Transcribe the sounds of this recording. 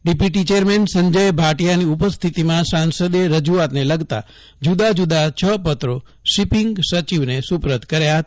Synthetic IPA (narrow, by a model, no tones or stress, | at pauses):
ɖipjuʈ̬it͡ʃeɾmensəɲd͡ʒəjbʱaʈijaniupəst̪ʰit̪imãsãnsəd̪eɾəd͡ʒuat̪neləɡt̪a̰ | d͡ʒud̪ad͡ʒud̪at͡ʃʰəpət̪ɾo | ʃipiŋɡsət͡ʃiʋnesupɾəd̪ʱkəɾjaɦət̪ḁ